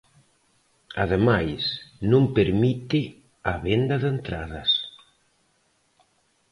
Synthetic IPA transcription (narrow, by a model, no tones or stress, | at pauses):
ɐ̰ðemajsnõmpeɾmit̪ɪ | ɐβend̪ɐðent̪ɾaðɐs